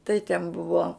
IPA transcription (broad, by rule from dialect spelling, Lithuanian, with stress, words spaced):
tɐɪ tʲɛn ˈbʊʋoː